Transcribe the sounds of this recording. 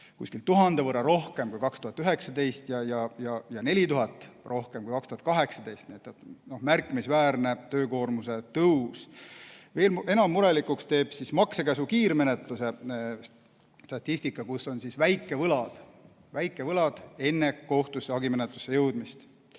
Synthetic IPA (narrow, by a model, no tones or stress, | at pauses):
kṵsʲkilt̪uɦɑnd̪evɤɾɑɾo̞hke̞mkujkɑkst̪uhɑt̪ːˑyɦe̞ksɑd̪e̞jst̪jɑjɑjɑjɑne̞lʲit̪uɦɑt̪ːˑrʔo̞hkemkujkɑkst̪uhɑt̪̚kɑɦe̞ksɑd̪e̞jst̪niet̪ːˑet̪no̞hmærkːˑimisvæːrne̞t̪ø̞ːko̞ːrmuse̞t̪ɤws | ve̞ːle̞nɑmːuɾe̞likukst̪e̞ːb̥sismɑksekæsukiːɾme̞net̪ˑluse̞ | st̪ɑt̪ʲːˑist̪ikːˑɑkusːo̞nsisvæjkːˑe̞vɤlɑd̪̥ | væjkːˑe̞vɤlɑd̪̥e̞nːe̞ko̞ht̪usɑɡime̞net̪ˑlu̥sːe̞jɤwd̪̥mist̪